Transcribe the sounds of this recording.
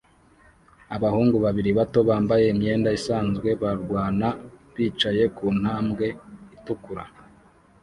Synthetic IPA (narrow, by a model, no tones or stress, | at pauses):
aβahuːŋɡuβaβiɾiβato̞βaːmbaje̞imɲe̞ːndaisaːnzɡwe̞βaɾɡwaːnaβiːt͡ʃaje̞kuːn̥haːmɡe̞itukuɾa